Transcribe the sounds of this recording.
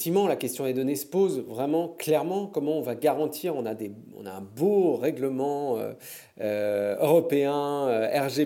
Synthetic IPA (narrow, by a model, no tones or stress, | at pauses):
t̪ivmɑ̃lakʲɛst̪jɔ̃d̪ed̪ɔnesə̥pozvʁɛmɑ̃klɛʁmɑ̃kɔmɑ̃ɔ̃vaɡaʁɑ̃t̪ʰiʁɔ̃nad̪e | ɔ̰̃naɛ̃boʁɛɡləmɑ̃ø̰ | øøʁɔpeɛ̃øɛʁʒe